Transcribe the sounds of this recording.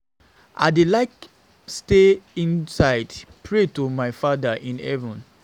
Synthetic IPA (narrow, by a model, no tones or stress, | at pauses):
ʔa̰ɪdelaɪk | steĩnsaɪdpʰɹetomaɪfadəʔĩnɛ̰vũn